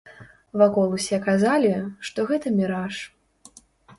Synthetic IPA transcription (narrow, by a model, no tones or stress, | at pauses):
vakɔlˠusʲɛkazalʲiʂt̪ɔɣɛt̪ɐmʲiɾaʂ